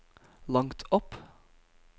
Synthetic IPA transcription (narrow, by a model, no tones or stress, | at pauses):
lɑŋt̪ʰɔp